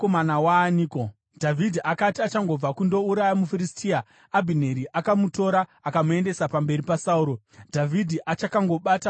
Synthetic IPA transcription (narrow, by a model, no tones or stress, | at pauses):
komanawaniko | dʱavʱidʱiʔakatiat͡ʃaŋɡo̞b͡vakundo̞uɾajamufiɾistʰiaː | bʱine̞ɾiʔakamuto̞ɾaakamue̞nde̞sapambe̞ripasauɾo̞ | dʱavʱidʱiʔat͡ʃakaŋɡo̞ɓata